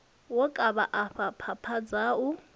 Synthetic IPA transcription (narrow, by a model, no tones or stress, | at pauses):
wɔkʼaβaʔaɸapʰapʰad͡zaʊ